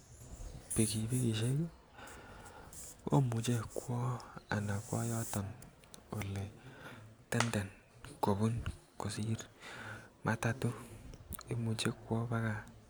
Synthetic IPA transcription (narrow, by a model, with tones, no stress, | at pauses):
pe˨ki˨bi˦ki˨ʃe˦k | o̰˦mu˨t͡ʃe˦kwɔ˦a̰˨na˨kwɔ̰˦jɔ˦tɔ˨n | o˨le˨ | tɛ˦nda˨n | ko˨bu˦nko˨si˦ɾ | mʔa˦ta˨tu˦ | i˦mu˨t͡ʃe˦kwɔ˦ba˦ka˨